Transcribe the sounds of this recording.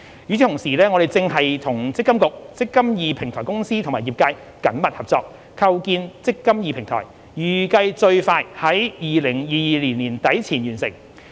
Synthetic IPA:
yː˨t͡sʰi˨˧t̪ʰʊ˨˩ŋsiː˨˩lɛː˥ŋɔ˨˧d̪e˨jt͡sɪ˧ŋhɐ˨jt̪ʰʊ˨˩ŋt͡sɪ˥kːɐ˥mkʊ˨k̚t͡sɪ˥kːɐ˥mjiː˨pʰɪ˨˩ŋt̪ʰɔː˨˩jkʊ˥ŋsiː˥t̪ʰŋmaː˨˩jiː˨˩p̚ka˧j | kɐ˨˥nmɐ˨t̚hɐ˨p̚t͡sɔː˧k̚ | kʰɐ˧wkiː˧nt͡sɪ˥kːɐ˥mjiː˨˧pʰɪ˨˩ŋt̪ʰɔ̰ː˨˩j | jyː˨˩kɐ˧jt͡sɵ˧ɥfaː˧jhɐ˨˥jjiː˨lɪ˨˩ŋjiː˨˧jiː˨˧liː˨˩nliː˨˩nt̪ɐ˨˥jt͡sʰiː˨˩njyː˨˩nsɪ̰˨˩ŋ

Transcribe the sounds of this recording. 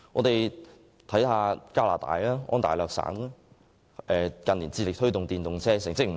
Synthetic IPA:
ŋɔː˨˧t̪e˨j | t̪ʰɐ˨˥jhaː˨˧kaː˥la̰ː˨˩t̪a̰ː˨jaː˥ʔɔ̰ː˥nt̪aː˨jlœː˨k̚sa̰ː˨˥naː˥ | ʔɛː˨kɐ˨nliː˨˩nt͡siː˧lɪ˨k̚t̪ʰɵ˥ɥt̪ʊ˨ŋt̪iː˨˩nt̪ʊ˨ŋt͡sʰɛː˥sɪ˨˩ŋt͡sɪ˥k̚m̩˨˩

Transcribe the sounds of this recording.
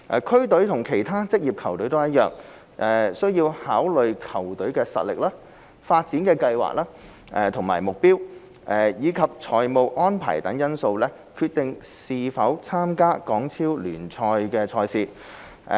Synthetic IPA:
ʔɛː˨˩kʰɵ˥t̪ɵ˨˥ɥt̪ʰʊ˨˩ŋkʰe˨˩jt̪ʰaː˥t͡sɪ˥k̚jiː˨p̚kʰɐ˨˩wt̪ɵ˨˥jt̪o˥wjɐ˥t̚jœː˨ŋ | ʔɛ˨sɵ˥ɥjiː˧whaː˨˥wlɵ˨ɥkʰɐ˨˩wt̪ɵ˨˥ɥkɛː˧sɐ̰˨t̚lɪ˨k̚laː˥ | faː˧t̚t͡siː˨˥nkɛː˧kɐ˧jwa̰ː˨˩k̚laː˥ | ʔɛː˨t̪ʰʊ˨˩ŋma̰ː˨˩jmʊ˨k̚piː˥w | ʔɛː˨˩jiː˨˧kʰɐ˨p̚t͡sʰɔː˨jmo˨wʔɔː˥npʰa̰ː˨˩jt̪ɐ˨˥ŋjɐ˥nso˧wlɛː˥ | kʰyː˧t̚t̪ɪ˨ŋsiː˧fɐ˨˥wt͡sʰaː˥mkaː˥kɔː˨˥ŋt͡sʰiː˥wlyː˨˩nt͡sʰɔː˧jkɛː˧t͡sʰɔː˧jsiː˧

